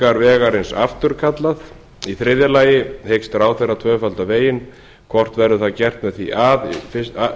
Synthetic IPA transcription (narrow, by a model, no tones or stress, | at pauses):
aɾvɛːɣaɾɪnsa̰ft̪ʏɾ̥kʰat̪lað | iθɾɪðjalaːjɪhejkst̪ɾaːwθejrat̪ʰvœːfalt̪aveːjɪn | kʰvɔr̥t̪vɛɾðʏθaðcɛr̥t̪mɛðθiʔaðfɪ